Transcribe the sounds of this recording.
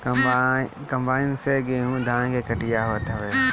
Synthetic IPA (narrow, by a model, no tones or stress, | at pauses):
k | kɐ̃mbaːɪnseɡẽːɦũd̪ʱãːñkʰeːkɐʈijaɦot̪ʰəʋeː